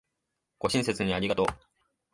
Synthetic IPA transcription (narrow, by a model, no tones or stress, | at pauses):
ɡ̥o̞ɕĩɰ̃se̞t͡sɨɲ̟iaɾʲiɡat̪o